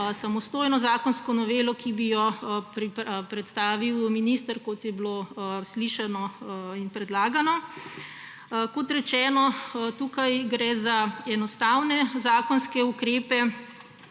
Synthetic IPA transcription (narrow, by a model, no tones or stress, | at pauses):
samɔst̪oːjnɔzaːkɔnskɔnɔʋeːlɔkibijɔpɾipɾɛt̪st̪aːʋiwminist̪əɾkot̪jɛblosliʃɛnɔinpɾɛd̪laːɡanɔ | kɔt̪ɾɛt͡ʃɛːnɔt̪uːkajɡɾɛzaɛnɔst̪awnɛzaːkɔnskɛukɾeːpɛ